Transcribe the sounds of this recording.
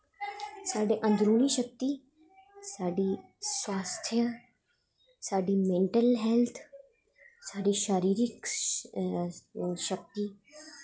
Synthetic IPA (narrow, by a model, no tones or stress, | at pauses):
saːɖeːʔə̃nd͡ʒ̪ɾuːniʃək̚t̪i | saːɖi | swaːst̪ʰjə | saːɖimẽːɳʈəlɦɛlt̪ʰ | saːɖiʃaːɾiːɾɪk | ʃək̚t̪i